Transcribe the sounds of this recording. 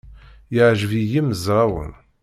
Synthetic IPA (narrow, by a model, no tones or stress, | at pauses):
jəʕʒəvijiməzɾˤɑwə̰n